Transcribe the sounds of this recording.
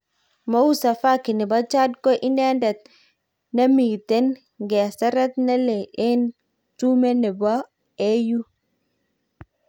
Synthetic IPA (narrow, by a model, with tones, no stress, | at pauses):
ma˦wu˦sa˨fa˦ki˨nɛ˨ba˦t͡ʃa˦dko˦ʔi˦nɛ˦ndɛ˨t̪̚ | na˦mi˨te˦n | ɡɛ˨sa˦ɾa˦t̪na˦le˨ʔe˦n | tu˦me˦nɛ˨ba˦ | e˦ju˦